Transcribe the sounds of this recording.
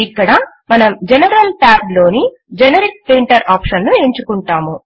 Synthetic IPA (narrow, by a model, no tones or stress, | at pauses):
ikːɐɽɐ | mɐnɐmd͡ʒenɐɾɐlʈaːplo̞ːni | d͡ʒenɐɾik̚t̪ʋiɳʈɐɾaːpʂɐnnue̞ɲt͡ʃukuɳʈaːmu